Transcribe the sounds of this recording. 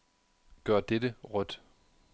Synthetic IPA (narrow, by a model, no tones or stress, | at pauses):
ɡ̥ɶɐ̰d̥edəʁœd̥